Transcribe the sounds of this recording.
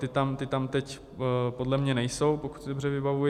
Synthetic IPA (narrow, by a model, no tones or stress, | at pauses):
t̪ɪt̪amt̪ɪt̪amt̪ɛc | po̞dlɛmɲɛnɛjso̞wpo̞ku̥t̪sɪdobr̝ɛvɪbavujɛ